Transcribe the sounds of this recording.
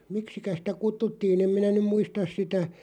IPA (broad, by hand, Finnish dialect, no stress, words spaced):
miksikæ sĭtæ kutːutːiːn em minæ nym muistɑs sitæ